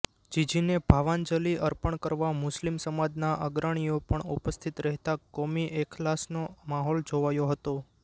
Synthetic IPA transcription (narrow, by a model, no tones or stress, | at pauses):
d͡ʒid͡ʒinebʱaʋand͡ʒəliʔəɾpəɳkəɾʋamʊslimsəmad͡ʒnaʔəɡɾaɽ̃iopəɳupəst̪ʰit̪ɾɛɦt̪akomiʔekʰlasnomaɦɔld͡ʒoʋajoɦət̪o